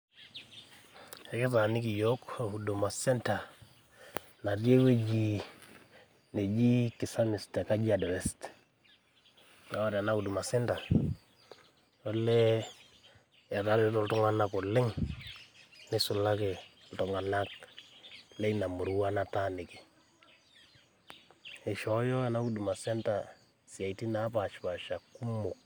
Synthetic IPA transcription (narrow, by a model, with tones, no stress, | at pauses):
e˨ke˦ta˨nɪ˦ki˨jo˦ka˨u˨do˨ma˨sɛ˦nta˨ | na˨dje˦we˦d͡ʒi˨ | ne˨d͡ʒi˦ki˨sa˦mɪ˨ste˨ka˦d͡ʒi˦a˨dɔ˨wɛ˦st | na˨wa˨ɾa˨na˦u˨du˨ma˨sɛ˦nta˨ | o˦le˦ | ɛ˨ɾa˦ɾe˦to˦ltɔ˦ŋa˦na˦kɔ˨lɪ˦ŋ | nɪ˦su˨la˦ke˨ltɔ˨ŋa˨na˦k | le˦ina˨mu˨ɾu˦wa˦na˦ta˦nɪ˨ke̥˨ | e˨ʃɔ˨˦jɔ˦a˨na˦u˦du˨ma˨sɛ˦nta˨ | si˨a˨i˨ti˦na˦pa˨ʃpa˨ʃa˨ku˦mo˨k̚